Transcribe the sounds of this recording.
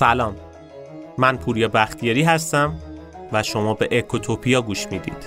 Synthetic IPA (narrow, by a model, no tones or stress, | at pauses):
sælɒːmː | ænpʰuːɾjɒːbæxt̪ʰijeɾiːɦæst̪æm | væʃo̞mɒːbe̞ʔekʰːot̪ʰopʰijɒːɡuːʃmiːd̪ḭːd̪̥